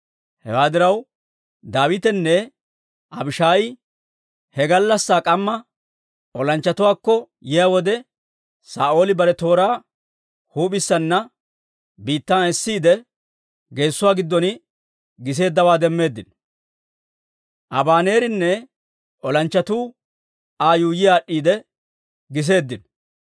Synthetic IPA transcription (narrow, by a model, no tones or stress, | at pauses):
hɛ̰waːd̪ɪɾɐw | d̪aːwɪt̪ɛnːɛ | ʔɐbɪʃaːjɪ | hɛɡɐlːɐsːaːkʼɐmːɐ | ʔɔlɐnt͡ʃːɐt̪ʊwaːkːɔ | jɪjawɔd̪ɛ | sa̰ːʔo̞ːlɪbɐɾɛt̪o̞ːɾaː | huːpɪsːɐnːɐ | biːt̪ːanɛsːiːd̪ɛ | ɡe̞ːsːʊwaːɡɪd̪ːɔnɪ | ɡɪs̬e̞ːd̪ːɐwaːd̪ɛmːe̞ːd̪ːɪn | ʔɐ̰baːne̞ːɾɪnːɛ | ʔɔlɐnt͡ʃːɐt̪uː | aːjuːjɪjaːɗːiːd̪ɛ | ɡɪs̬e̞ːd̪ːɪn